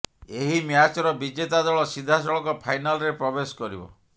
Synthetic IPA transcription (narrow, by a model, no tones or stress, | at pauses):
eɦimjat͡ʃɔɾɔbid͡ʒet̪ad̪ɔɭɔsid̪ʱːasɔɭɔkɔpʰajnalɔɾepɾɔbesɔ̥kɔɾḭbɔ̰